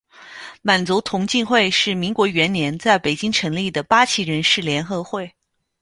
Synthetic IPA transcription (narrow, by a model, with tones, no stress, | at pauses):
ma˨˩nt͡su˧˥t̪ʰʊ˧˥ŋt͡ɕi˥˧nxwe˥˧ɪʂɻ̩˥˩mi˧˥ŋkwɔ˧˥ɥɛ˧˥nnjɛ˧˥nt͡sa˥˩ɪpe˨˩ɪt͡ɕi˥ŋʈ͡ʂʰɤ˧˥ŋli˥˩d̪ə˩pa˥t͡ɕʰi˧˥ɻə˧˥nʂɻ̩˥˩ljɛ˧˥nxɤ˧˥xwe˥˩ɪ